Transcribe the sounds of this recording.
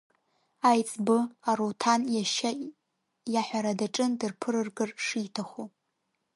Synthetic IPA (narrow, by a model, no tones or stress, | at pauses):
ajt͡sʼbɨaɾotʰanjaʃa | jaħʷᶣaɾadaʈ͡ʂʼɨndɨrpʰɨɾɨrɡɨrʂiːtʰaχu